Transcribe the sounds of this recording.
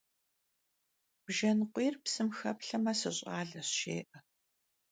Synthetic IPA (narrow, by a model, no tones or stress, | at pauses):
b̥ʒɐnqʷiːrpsɨmxɐ̰pɬɐmɐsɨɕʼɑːɮɐɕɕḛːʔɐ